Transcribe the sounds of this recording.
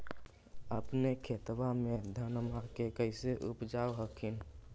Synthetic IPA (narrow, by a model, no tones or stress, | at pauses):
əpnekʰet̪ʋamed̪ʱənmakekəɪseʔupd͡ʒaoɦəkʰin